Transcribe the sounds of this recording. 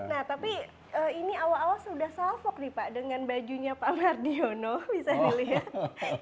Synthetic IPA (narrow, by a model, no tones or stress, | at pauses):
naht̪api | əːiniawalawasudahsafɔk̚dipaʔdəŋanbad͡ʒuɲapaʔmardionobisadiliɦat̪̚